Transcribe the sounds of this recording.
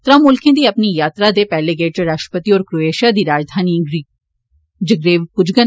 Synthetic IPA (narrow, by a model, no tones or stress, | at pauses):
t̪ɾamʊlkʰẽːd̪iːɐpnijaːt̪ɾad̪epɛːleɡeːʈəɾaʃʈə̥pət̪iɔːɾkɾoeːʃad̪iːɾaːd͡ʒd̪ʱaːniɾ | d͡ʒəɡɾeːʋpʊd͡ʒɡən